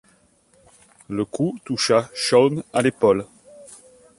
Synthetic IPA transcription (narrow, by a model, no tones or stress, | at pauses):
ləkʰut̪uʃaʃɔnalepɔl